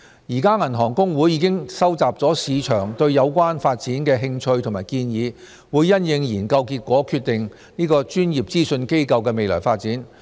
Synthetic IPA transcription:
jiː˨˩kaː˥ŋɐ˨˩nɦɔː˨˩ŋkʊ˥ŋwuː˨˥jːiː˨˧kɪ˥ŋsɐ˥wt͡saː˨p̚t͡sɔː˨˥siː˨˧t͡ʃʰœː˨˩ŋt̪ɵ˧ɥjɐ˨˧wkʷaː˥nfaː˧t̚t͡siː˨˥nkɛː˧ɦɪ˧ŋt͡ʃʰɵ˧ɥt̪ʰŋmaː˨˩jkiː˧njiː˨˧ | wuː˨˧jːɐ˥njɪ˧ŋjiː˨˩nkɐ˧wkiː˧t̚kʷɔː˨˥kʰyː˧t̚t̪ɪ˨ŋ | niː˥kɔː˧t͡ʃyː˥njiː˨p̚t͡siː˥sɵ˧nke˥jkɐ˧wkɛː˧me˨jlɔ̰ː˨˩jfaː˧t̚t͡siː˨˥n

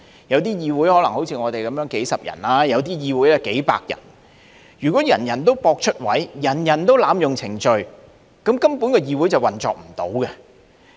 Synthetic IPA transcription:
jɐ˨˧wt̪iː˥jiː˧wuː˨˥jhɔː˨˥lɐ˨˩ŋho˨˥wt͡sʰiː˧ŋɔː˨˧t̪e˨jkɐ˨˧mjœː˨˥ŋke˨˥jsɐ˨p̚jɐ̰˨˩nlaː˥jɐ˨˧wt̪̬iː˥jiː˨˧wuː˨˥jɛ˧ke˨˥jpa̰ː˧k̚jɐ̰˨˩n | jyː˨˩kɔː˨˥jɐ˨˩njɐ˨˩nt̪̬o˥wpɔː˧k̚t͡ʃʰɵ˥t̚wɐ˨˥jjɐ˨˩njɐ˨˩nt̪o˥wlaː˨˧mjʊ˨ŋt͡sʰɪ˨˩ŋt͡ʃɵ˧ɥ | kɐ˨˧˥mkɐ˥mpuː˨˥nkɔ˧jiː˧wu˨˥jt͡sɐ˨˩wɐ˨˩nt͡sɔː˨k̚m̩˨˩t̪o˨˥wkɛ˧

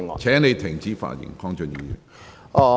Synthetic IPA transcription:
t͡sʰɛː˨˥ŋne˨˧jt̪ʰɪ˨˩ŋt͡siː˨˥fa̰ː˧˩jɪ̰˨˩ŋkʰɔː˥ŋt͡ʃœ˨˧njiː˨˧˨

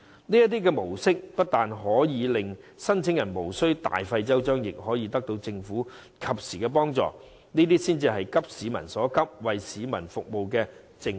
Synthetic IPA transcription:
niː˥jɐ˥t̪iː˥kɛː˧mo˨˩wsɪ˥k̚pɐ˥t̚t̪aː˨nɦɔː˨˥jiː˨˧lɪ˨ŋsɐ˥nt͡sʰɪ˨˥ŋjɐ˨˩nmo˨˩wsɵ˥ɥt̪a̰ː˨jfɐ˧jt͡sɐ˥wt͡ʃœː˥ŋjɪ˨k̚ɦɔː˨˥jiː˨˧t̪ɐ˥k̚t̪o˧wt͡sɪ˧ŋfuː˨˥ | kʰɐ˨p̚siː˨˩kɛː˧p̬ɔː˥ŋt͡sɔ̰ː˨ | niː˥t̪̬iː˥siː˥nt͡siː˧ɦɐ˨jkɐ˥p̚siː˨˥mɐ̰˨˩nsɔː˨˥kɐ˥p̚wɐ˨jsiː˨˥mɐ̰˨˩nfʊ˨k̚mo˨wkɛː˧ | t͡sɪ˧ŋ

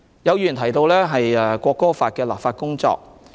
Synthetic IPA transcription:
jɐ˨˧wjyː˨˩nt̪ʰɐ˨˩jt̪o˧wlɛː˥ɦɐ˨jɛ˨˧kʷɔː˧kːɔː˥faː˧t̚kɛː˧la̰ː˨p̚faː˧t̚kʊ˥ŋt͡sɔ̰ː˧k̚

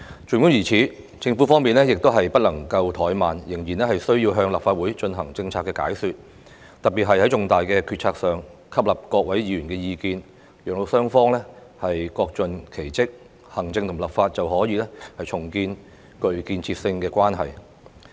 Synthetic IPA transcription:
t͡ʃʰyː˨˩nkʊ˥ŋjiː˨˩t͡sʰiː˨˥ | t͡sɪ˧ŋfu˨˥fɔː˥ŋmiː˨nlɛː˥jɪ˨k̚t̪o˥wɦɐ˨jpɐ˥t̚lɐ˨˩ŋkɐ˧wt̪ʰɔː˨˥jmaː˨njɪ˨˩ŋjiː˨˩nlɛː˥hɐ˨jsɵ˥ɥjiː˧wɦœː˧ŋlɐ˨pfaː˧t̚wuː˨˥jt͡ʃɵ˧nɦɐ˨˩ŋt͡sɪ˧ŋt͡sʰaː˧tkːɛː˧ka̰ː˨˥jsyː˧t̚ | t̪ɐ˨t̚pi˨t̚ɦɐ˨jhɐ˨˥jt͡ʃʊ˨ŋt̪aː˨jkɛː˧kʰyː˧t̚t͡sʰaː˧k̚sœː˨ŋkʰɐ˥p̚lɐ˨˩p̚kɔː˧k̚wɐ˨˥jjiː˨˧jyː˨˩nkɛː˧jiː˧kiː˧n | jœː˨ŋ̚lo˨˧wsœː˥ŋfɔː˥ŋlɛː˥ | hɐ˨jkɔː˧k̚t͡ʃɵ˨nkʰe˨˩jt͡sɪ˥k̚ | hɐ˨˩ŋt͡sɪ˧ŋt̪ʰʊ˨˩ŋlɐ˨p̚faː˧t̚t͡sɐ˨wɦɔː˨˥jiː˨˧lɛ˥hɐ˨jt͡ʃʰʊ˨˩ŋkiː˧n | kɵ˨˧ɥkiː˧nt͡sʰiː˧p̚sɪ˧ŋkɛː˧kʷaː˥nɦɐ̰˨˩j

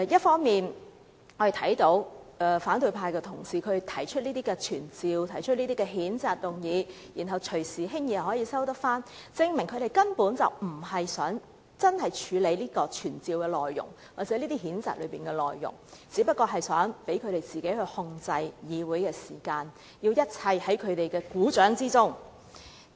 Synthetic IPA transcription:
ɛ˨˧jɐ˥t̚fɔː˥ŋmiː˨˩n | hɔ˨˧jt̪ʰɐ˨˥jt̪o˨˥wfaː˨˥nt̪ɵ˧ɥpʰaː˧jkɛː˧t̪ʰʊ˨˩ŋsiː˨kʰɵ˨˧t̪ʰɐ˨˩jt͡ʃʰɵ˥t̚liː˥t̪iː˥kɛː˧t͡ʃʰyː˨˩nt͡siː˨˧wt̪ʰɐ˨˩jt͡ʃʰɵ˥niː˥t̪iː˥kɛː˧ɦiː˨˥nt͡saː˨t̚t̪ʊ˨ŋjiː˨˧ | jiː˨˩nɦɐ˨wt͡ʃʰɵ˨˩siː˨ɦɪ˥ŋji˧hɐ˨˩hɔː˨˥jiː˧sɐ˥wt̪ɐ˥k̚faː˥nt͡sɪ˧ŋmɪ˨˩ŋkʰɵ˧ɾe˨jkɐ˥npuː˨˥nt͡sɐ̰˨˩wm̩˨˩ɦɐ˨jsœː˨˥ŋ | t͡sɐ˥nhɐ˨jt͡ʃʰyː˨˧le˨˧jliː˥kɔː˧t͡ʃʰyː˨˩nt͡siː˨wkɛː˧lɔː˨jːʊ̰˨˩ŋ | waː˨k̚t͡sɛː˨˥liː˥t̪iː˥ɦiː˨˥nt͡sa̰ː˨t̚lɵ̰˨˧ɥpiː˨nkɛ˧lɔ̰ː˨jːʊ̰˨˩ŋt͡siː˨˧˥pɐ˥t̚kɔː˧ɦɐ˨jsœ̰ː˨˥ŋpe˨˥jkʰɵ˨˧ɥɾe˨jt͡siː˨ke˨˥hɵ˧ɥhʊ˧ŋt͡sɐ˧jjiː˨˧wuː˨˥jkɛː˧siː˨˩kaː˧n | jiː˧wjɐ˥t̚t͡sʰɐ˧jhɐ˨˥jkʰɵ˨˧ɥt̪e˨jkɛː˧kuː˨˥t͡ʃœː˨˥ŋt͡siː˥t͡sʊ˥ŋ

